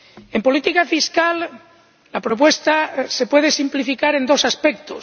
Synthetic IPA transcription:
empo̞lit̪ikafiskal | lapɾop̬we̞st̪ase̞pwe̞ð̞e̞simplifikaɾe̞nd̪o̞saspek̚t̪o

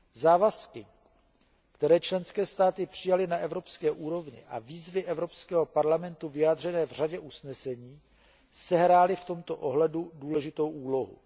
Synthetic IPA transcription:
zaːvaskɪ | kt̪ɛɾɛːt͡ʃlɛnskɛːst̪aːt̪ɪpr̝̥ɪjalɪnaʔɛvɾo̞pskɛːʔuːɾo̞vɲɪ̰ʔa̰viːzvɪʔɛvɾo̞pskɛːɦo̞paɾlamɛnt̪uvɪjaːd̪r̝ɛnɛːvr̝aɟɛʔusnɛsɛɲiː | sɛɦɾaːlɪft̪o̞mt̪o̞ʔoɦlɛduduːlɛʒɪt̪o̞wʔuːlo̞ɦṵ

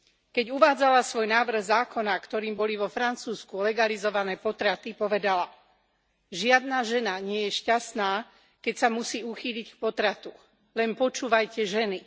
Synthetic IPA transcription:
kɛɟuʋaːd͡zalasʋɔjnaːʋr̩ɣzaːkɔnakt̪ɔɾiːmbɔliʋɔfɾant͡suːskulɛɡalizɔʋanɛːpɔt̪ɾat̪ipɔʋɛd̪ala | ʒɪad̪naːʒɛnaɲɪɛjɛʃcast̪naː | kɛcsamusiːuxiːʎick̚pɔt̪ɾat̪u | lɛnpɔt͡ʃuːʋajcɛʒɛni

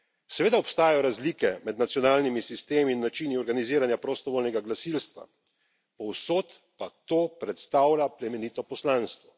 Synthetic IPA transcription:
sɛʋeːd̪aɔpst̪aːjajɔɾazlikɛmɛd̪nat̪sjɔnaːlnimisist̪eːmiːnːat͡ʃiniɔɾɡaniziːɾanjapɾɔst̪ɔʋoːlnɛɡaɡlasilst̪ʋa̰ | pɔwsoːt̪ | pat̪oːpɾɛt̪st̪aːwlʲaplɛmɛnit̪ɔpɔslaːnst̪ʋɔ

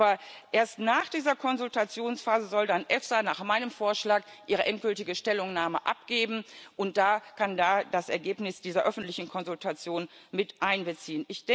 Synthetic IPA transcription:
bɐʔeːɐstnaːχd̥iːzɐkʰɔnzʊltat͡sjoːnsfaːzəzɔldanʔɛfsanaːχmaɪnəmfoːɐʃlaːkʔiːʁəʔɛnt̚ɡ̥ʏltɪɡəʃtɛlʊŋnaːməʔa̰p̚ɡ̥eːbm̩ʔʊnt̚d̥aːkandaːdasʔɛɐɡeːpnɪsd̥iːzɐʔœfn̩tlɪçn̩kʰɔnzʊltʰat͡sjoːnmɪtʔaɪnbət͡siːənʔɪçd̥ɛ

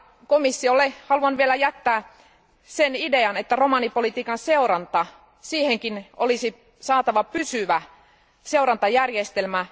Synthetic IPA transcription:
komisːiolːehɑluɑnʋielæjæt̪ːæː | senideɑnet̪ːæromɑnipolit̪iːkɑnseurɑnt̪ɑ | siːheŋkinolisi | sɑːt̪ɑʋɑpysyʋæ | seurɑnt̪ɑjærjest̪elmæ

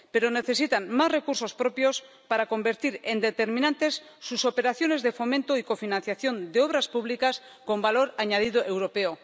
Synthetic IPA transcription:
pe̞ɾo̞ne̞θe̞s̬it̪anmazre̞kuɾso̞spɾo̞pjo̞s | paɾako̞mbe̞ɾt̪iɾend̪e̞t̪e̞ɾmĩnãnt̪e̞sːuso̞pe̞ɾaθjo̞ne̞zðe̞fo̞mẽnt̪oiko̞finãnθjaθjo̞nd̪eo̞β̞ɾaspuβlikas | ko̞mbalo̞ɾaɲað̞ið̞oʔe̞wɾo̞pe̞o

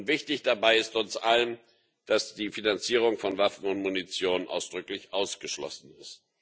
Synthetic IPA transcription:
ʊntv̥ɪçtɪçd̥abaɪɪstʊnsʔalən | d̥asd̥iːfinant͡siːʁ̞ʊŋfɔnvafn̩ʊntmunit͡sjoːnənʔa̰ʊsd̥ʁʏklɪçʔaʊsɡ̥əʃlɔ̰sn̩ɪst

